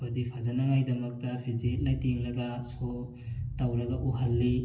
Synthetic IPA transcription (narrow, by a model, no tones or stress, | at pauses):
pɐdipʰazɐnamajdɐmɐk̚tɐpʰizt̚lajtiŋlɐɡɐso | tawɾɐɡɐʔuɦɐlːi